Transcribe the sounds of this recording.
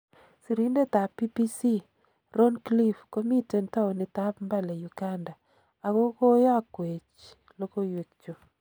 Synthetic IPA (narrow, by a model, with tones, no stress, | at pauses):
si˨ɾi˦nde˦t̪a˨pːi˦pi˦si˦ | ɾɔ˦nkli˦fko˦mi˦tɛ˨nta˦o˨nɪ˨t̪a˦pmba˦lɛ˨ju˨ɡa˦nda˨ | a˨ɣo˦ko˦ja˦kwe˨t͡ʃ | lo˦ko˦jwe˨kt͡ʃo˨